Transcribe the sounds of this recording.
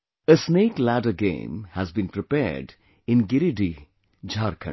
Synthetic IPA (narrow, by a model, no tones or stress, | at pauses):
əsneːʈlæɖəɡḛ̃ːmhæzbĩːnpɾɪpɛ̰ːɾɖ | ɪ̃nɡɪɾiɖi | d͡ʒʱaːɾkʰə̰̃